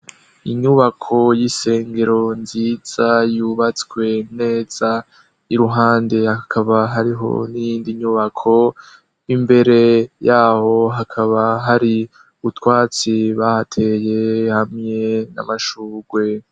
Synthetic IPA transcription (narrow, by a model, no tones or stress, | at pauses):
iɲuβakʰo̞jise̞ːŋɡe̞ɾo̞nziz̥ajuːβat͡skwe̞ne̞ːz̥a | iɾuɦaːnde̞hakʰaβaɦaɾiɦo̞̰nijiːndiɲuβakʰo̞ | imbe̞ɾe̞jaːho̞ɦakʰaβaɦaɾi | utwaːt͡siβahatʰeje̞hamŋe̞na̰maʃuːɡwe̞